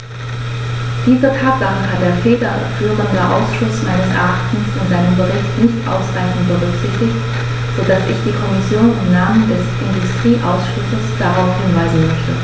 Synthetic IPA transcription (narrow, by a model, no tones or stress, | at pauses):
d̥iːzɐtʰaːt̚ɡ̥aŋəɦat̚d̥eːɐfeːdɐ | fyːʁəndəʔa̰ʊsʃʊsma̰ɪnəsʔɛ̰ɐʔaχtn̩sfɪnz̥aɪnəmbəʁɪçtnɪçtʔa̰ʊsʁ̥aɪçn̩t̚b̥əʁʏkz̥ɪçtɪçt | z̥odasɪ̰çd̥iːkʰɔmɪsjoːnɪmnaːməndɛsʔɪndʊstʁ̥iːʔaʊsʃʊsəsd̥aʁaʊfhɪnvaɪzn̩mœçtə